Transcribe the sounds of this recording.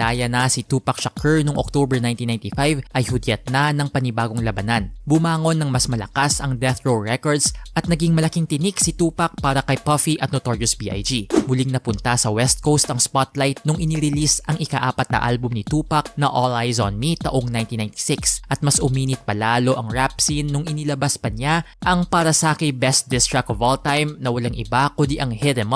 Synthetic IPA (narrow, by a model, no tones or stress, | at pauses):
aːjɐnɐsit̪uːpɐk̚ʃɐkʰɛɹnoŋʔok̚t̪obɛɹnajnt̪inajnt̪ifajvʔɐjhʊd̪jɛt̪̚nɐnɐŋpɐnɪbaːɡoŋlɐbɐnanbʊmaːŋo̞nːɐŋmɐsmɐlɐkasɐŋd̪ɛθɹowɹɛkoɹd̪sʔɐt̪̚nɐɡiŋmɐlɐkiŋt̪ɪniksit̪uːpɐk̚paːɾɐkɐjpɐfiʔɐt̪̚not̪oɹijosbiːʔa̰jd͡ʒimʊliŋnɐpʊnt̪ɐsɐwɛst̪̚kowst̪ɐŋspat̪lajt̪̚nʊŋʔɪniɾɪlisʔɐŋɪkaʔaːpɐt̪̚nɐ̰ʔa̰lbʊmnit̪uːpɐk̚nɐʔolajzo̰nmit̪ɐʔoŋnajnt̪inajnt̪i̥sɪksʔɐt̪̚mɐsʔʊmiːnɪt̪̚pɐlaːlo̞ʔɐŋɹapsinːʊŋɪnilɐbaspɐɲa | ʔɐŋpaːɾɐsɐʔakɪjbɛst̪̚d̪ɪst̪ɹɐk̚ovolt̪ajmnɐwɐlaŋʔɪ̰bakʊnd̪iʔɐŋhɪd̪ɛm